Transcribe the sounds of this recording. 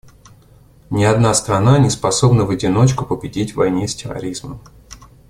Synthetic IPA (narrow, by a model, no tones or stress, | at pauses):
nʲɪɐd̪nast̪ɾɐnanʲɪspɐso̞bnəvədʲɪno̞t͡ɕkʊpəbʲɪdʲitʲvɐ̰jnʲesʲtʲɪrɐ̰ɾʲizməm